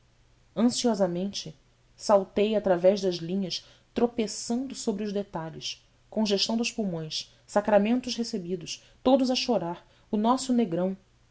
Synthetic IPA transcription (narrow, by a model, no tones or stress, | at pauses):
ɐ̃siɔzamẽnt͡ʃɪ | sawt̪ejat̪ɾavɛʒd̪ɐzlĩɲɐs | t̪ɾopesɐ̃nd̪ʊsobɾɪʊʒd̪et̪aʎɪs | kõʒeʃt̪ɐ̃w̃d̪ʊʃpumõj̃s | sakɾamẽnt̪ʊʃhesebid̪ʊʃ | t̪od̪ʊzɐʃoɾaɾ | ʊnɔsʊneɡɾɐ̃w̃